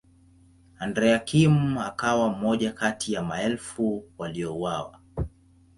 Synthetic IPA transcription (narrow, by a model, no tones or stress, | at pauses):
andɾɛakʰimakawam̩mɔʄakatʰijamaɛlfuwaliɔuwawa̰